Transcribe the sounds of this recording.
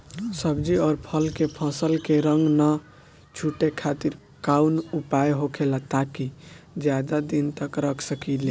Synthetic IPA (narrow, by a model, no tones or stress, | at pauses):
səbd͡ʒiɔːɾpʰəlkepʰə̃səlkeɾəŋɡnə | t͡ʃʰuʈekʰat̪iɾ | kaunupajɦokʰelat̪akid͡ʒjad̪ad̪int̪əkɾəkʰsəkile